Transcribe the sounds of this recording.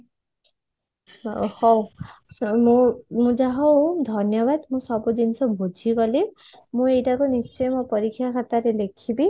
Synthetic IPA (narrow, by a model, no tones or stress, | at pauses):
hɔw | mũmũd͡ʒaɦod̪ʱʌnjʌbad̪mũsɔbud͡ʒinsʰɔbʱod͡ʒʱiɡʌli | mũejʈakonist͡ʃɔjmɔpɔɾikʰːjakʰat̪aɾelekʰibi